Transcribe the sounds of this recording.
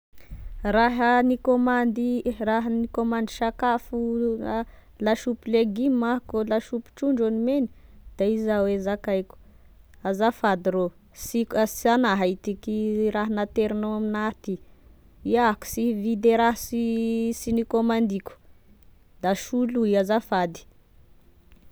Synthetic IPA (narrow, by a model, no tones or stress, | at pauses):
raɦənikomand̪iraɦənikomand̪iʃakafualaʃupileɡimːaɦkolaʃupi̥ʈ͡ʂuɳɖ͡ʐd͡ʒonimenid̪̥aizawezakajku̥ | azafad̪iɾo | siksianaɦajt̪ikiɾaɦanat̪eɾinoaminat̪i | iaku̥sivid̪eɾaɦasisinikomand̪iku̥ | d̪aʃuluiazafad̪i̥